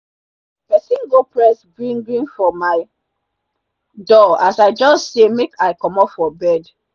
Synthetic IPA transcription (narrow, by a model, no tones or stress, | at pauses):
pɛsĩnɡopɹɛsɡɹĩŋɡɹĩnfɔmaɪ | dɔasaɪd͡ʒɔstsemekaɪkɔmɔpfɔbɛd